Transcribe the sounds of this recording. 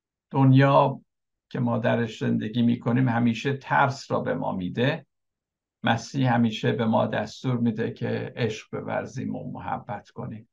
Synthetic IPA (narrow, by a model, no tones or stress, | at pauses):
d̪̥onjɒː | cʰe̞mɒːd̪æɾeʃze̞nd̪eɡʲiːmiːkʰo̞niːmhæmiːʃe̞t̪ʰæɾsɾɒːbe̞mɒ̰ːmiːd̪e̞ | mʔæsiːhhæmiːʃebe̞mɒ̰ːd̪æst̪uːɾmiːd̪ecʰe̞̰ʔeʃɢ̥̚be̞̰væ̰ɾziːmo̰mo̰hæ̰bːæt̪kʰo̞niːm